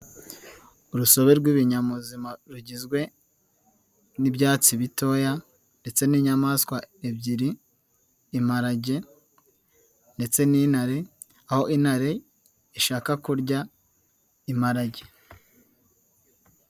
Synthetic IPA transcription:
uɾuso̞βe̞ɾɡwiβiɲamuzimaɾuɟizɡwe̞ | nibɟaːt͡siβito̞ːja | nde̞t͡se̞niːɲamaskwaebɟiɾiː | maɾaɟe̞ | nde̞t͡se̞ninhaɾe̞ | aho̞inhaɾe̞ | iʃaːkakuɾɟa | imaɾaɟe̥

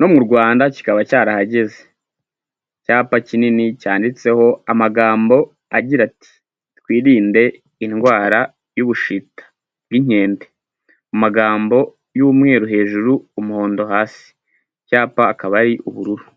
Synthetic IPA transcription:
no̞mŋuɾɡwaːndaci̥kaβacaːɾahaɟe̞ze | caːpacininicaːndit͡se̞ho̞amaɡaːmbo̞ | aɟiɾati̥ | twiːɾiːnde̞ | inɡwaːɾa | juβuʃitḁ | b̚ɡiɲ̥e̞ːmbe | umaɡaːmbo̞ | jumŋe̞ːɾuɦe̞ːʒuɾuːmuho̞ːndo̞ɦaːsi̥ | caːpaːkaβaɾiʔuβuɾuɾu

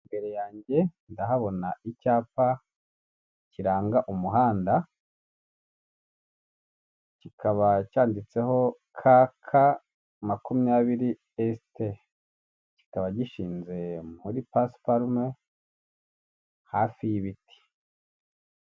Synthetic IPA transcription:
mbeɾejaːɲɟe̞ndaɦaβo̞naicaːpa | ciɾaːŋɡaʔumuɦaːnda | cikʰaβacaːndit͡se̞ɦo̞ | kʰakʰa | makumjaːβiɾi | este | ci̥kaβaɟiʃiːnze̞muɾipaspaɾume | hafijiβiti̥

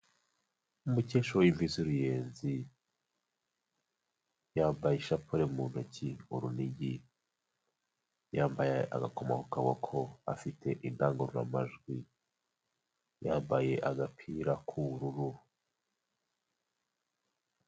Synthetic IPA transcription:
umuce̞ːʃowiɱviziɾuje̞ːnzi | jaːmbajiʃapʰoɾemun̥ocʰiuɾuniɟi | jaːmbajeʔa̰ɡakoma̰kukaɡwakʰoa̰fitʰe̞ʔindaːŋɡoɾuɾa̰maʒɡwi | jaːmbaje̞ʔaɡapʰiːɾakʰuɾuɾu

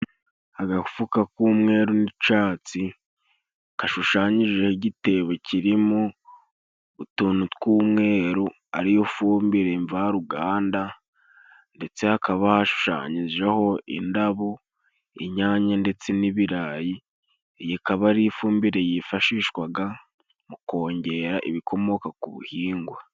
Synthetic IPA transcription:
aɡaku̥fukakuːmŋe̞ːɾunit͡ʃaːt͡si | kaʃuʃaːɲiʒehiɟite̞βeciɾimo | utuːnutkuːmŋe̞ːɾu | a̰ɾijofuːmbiɾe̞ɱvaaɾuɡaːnda | nde̞t͡se̞hakaβahaʃu̥ʃa̰ːɲiʒeho̞ḭndaβo | ḭɲaːɲande̞t͡se̞niβiɾaːji | jikaβaɾifuːmbiɾe̞jifaʃiːʃkwaɡa | muko̞ːɲɟe̞ɾaʔiβikʰo̞mo̞kakuβṵhiːŋɡwa

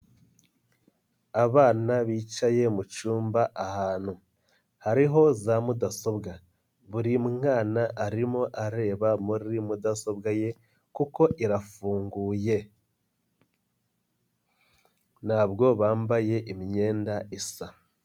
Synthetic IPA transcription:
aβaːnaβiːt͡ʃaje̞mut͡ʃuːmbaʔahaːn̥hu | haɾiɦo̞zamudaso̞bɡa | βuɾimuŋaːnaʔaɾimo̞ʔaɾe̞ːβamuɾimudaso̞bɡaje̞ | kuko̞ʔiɾafuːŋɡuːje̞ | n̥aːbɡo̞βaːmbaje̞ʔimiɲe̞ːndaʔisa

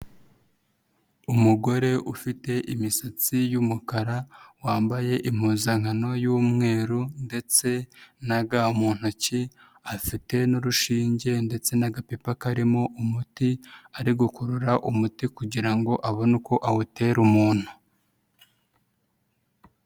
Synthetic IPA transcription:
umuɡo̞ɾe̞ʔufite̞ʔimisat͡sijumukaɾawaːmbaje̞ʔim̥huːzaŋhano̞juːmŋe̞ːɾunde̞t͡se̞naɡamuːn̥huci | afite̞noɾuʃiːɲɟe̞nde̞t͡se̞naɡapipakaɾimo̞ʔumutiaɾiɡukuɾuɾaʔumutikuɟiɾaŋɡo̞ʔaβo̞nuko̞ʔawute̞ːɾumuːn̥hu

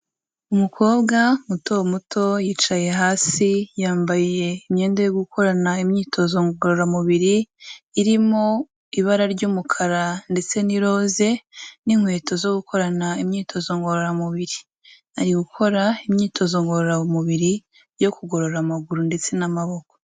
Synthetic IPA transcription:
umukʰo̞ːbɡamutowmutʰo̞jiːt͡ʃaje̞ɦaːsijaːmbaije̞imɲe̞ːndejoɡukʰo̞ɾanaimɲiːtʰo̞zo̞ŋɡoɾoɾamuβiɾiːɾimo̞ | iβaɾaɾɟuːmukʰaɾande̞t͡se̞niɾo̞ːze̞niŋhwe̞ːtʰo̞zo̞ɡukʰo̞ɾanaimɲiːtʰo̞zo̞ŋɡo̞ɾoɾamuβiɾi | aɾiɡukʰo̞ɾaimɲiːtʰo̞zo̞ŋɡo̞ɾoɾamuβiɾi | jo̞kuɡo̞ɾo̞ɾamaɡuɾunde̞t͡se̞namaβo̞ko̥

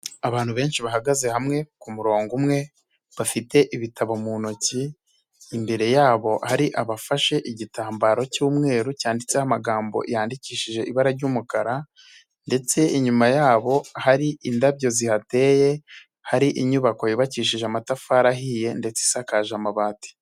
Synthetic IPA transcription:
aβaːn̥huβe̞ːnʃiβaɦaɡaze̞hamŋe̞kumuɾo̞ːŋɡumŋe̞ | βafite̞ʔiβitaβamunociː | mbe̞ɾe̞jaːβo̞haɾiʔaβafaʃe̞ʔiɟitaːmbaːɾo̞cuːmŋe̞ːɾucaːndit͡se̞hamaɡaːmbo̞̰ʔijaːndiciːʃiʒe̞iβaɾaɾɟuːmukaɾa | nde̞t͡se̞iɲumajaːβo̞haɾiindaβjo̞zihate̞ːje̞ | haɾiʔiɲuβako̞jiβaciːʃiʒeamatafaːɾaɦiːje̞nde̞t͡seisakaʒamaβaːti̥

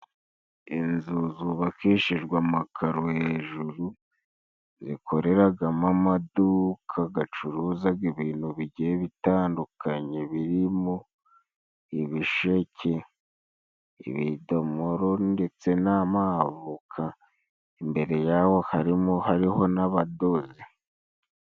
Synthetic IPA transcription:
inzuzuβakiːʃiʒɡwamakʰaɾoheʒuɾu | zḭkʰo̞ɾe̞ɾaɡamamadukʰaɡat͡ʃuɾuzaɡiβiːnhuβiɟieβitaːndukʰaɲe̞βiɾimo | iβiʃe̞cʰe̞ | ḭβidomoɾo̞nde̞t͡se̞namavukʰa | imbe̞ɾe̞jawo̞haɾimohaɾiho̞naβado̞zi

